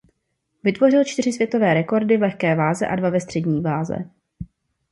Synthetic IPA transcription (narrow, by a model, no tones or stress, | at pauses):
vɪt̪vo̞r̝ɪlt͡ʃt̪ɪr̝ɪsvjɛt̪o̞vɛːɾɛko̞ɾdɪvlɛxkɛːvaːzɛʔadvavɛst̪r̥ɛdɲiːvaːzɛ̰